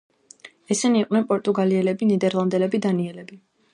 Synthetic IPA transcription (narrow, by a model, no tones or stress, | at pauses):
ɛsɛniːqʼwnɛnpʼɔɾt̪ʼuɡaliɛlɛbinid̪ɛɾlˠand̪ɛlɛbid̪aniɛlɛbi